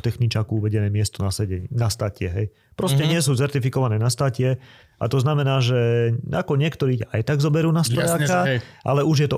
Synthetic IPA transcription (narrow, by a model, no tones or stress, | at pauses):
t̪ɛxnit͡ʃaːkuuʋɛɟɛnɛːmɪɛst̪ɔnasɛɟɛɲnast̪aːcɪɛɦɛj | pɾɔscɛɲɪɛs̬uːt͡sɛɾt̪ifikɔʋanɛːnast̪aːcɪɛ | a̰t̪ɔznamɛnaːʒɛa̰kɔɲɪɛkt̪ɔɾiːcaʔa̰jt̪aɡzɔbɛɾuːnast̪ɾɔjaːkaʔa̰lɛuʒjɛt̪ɔ